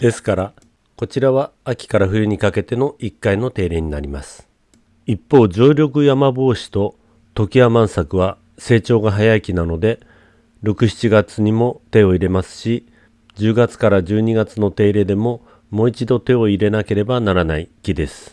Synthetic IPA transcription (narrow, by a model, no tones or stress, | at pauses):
d̪̥e̞sɨ̥kaɾa | ko̞t͡ɕiɾaβaːkʲi̥kaɾaɸɯ̟jɯ̟ɲ̟ikake̞t̪e̞no̞ʔikːaino̞t̪e̞ːɾe̞ːɲ̟inaɾʲima̰sɨ̥ | ipːo̞ːd͡ʑoːɾʲo̞kɯ̟jamabo̞ːɕi̥t̪o̞ | t̪o̞kʲiamãɰ̃sakɯ̟β̞a | se̞ːt͡ɕo̞ːɡaɦajaikʲinano̞d̪e̞ | ɾo̞kɯ̟ɕi̥t͡ɕiɡat͡sɨɲ̟imo̞t̪e̞o̞iɾe̞masɨ̥ɕi | d͡ʑɨːɡat͡sɨ̥kaɾad͡ʑɨːɲ̟iɡat͡sɨno̞t̪e̞ːɾe̞d̪e̞mo̞ | mo̞ːit͡ɕid̪o̞t̪e̞o̞iɾe̞nake̞ɾe̞banaɾanaikʲid̪e̞sɨ̥